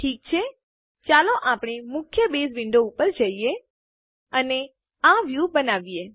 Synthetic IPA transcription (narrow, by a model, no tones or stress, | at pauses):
ʈʰiːk̚t͡ʃʰe | t͡ʃaloʔapɳ̃emʊkʰjəbezʋɪ̃ɳɖoupəɾd͡ʒəije | əne | ãʋjubənaʋije